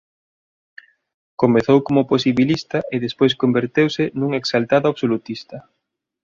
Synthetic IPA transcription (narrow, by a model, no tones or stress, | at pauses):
komeθowkomʊposiβilist̪aʔɪðespojskombeɾt̪ewsɪnuŋeksalt̪aðoaβsolut̪ist̪ɐ